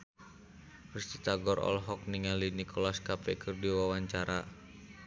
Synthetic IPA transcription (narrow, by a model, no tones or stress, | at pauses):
rust̪it̪aɡɔrɔ̰lɦɔk̚niŋalinikʰɔlaskapɛkʰɨrdiwawaɲt͡ʃaɾa